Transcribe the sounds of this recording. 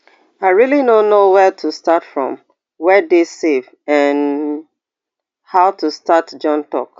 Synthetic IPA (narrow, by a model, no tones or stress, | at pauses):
aɪɹilinõnːowɛtʰustatfɹɔ̰̃m | wɛdesev | ɛ̃n | haʊtustatd͡ʒɔ̃ntɔ̰k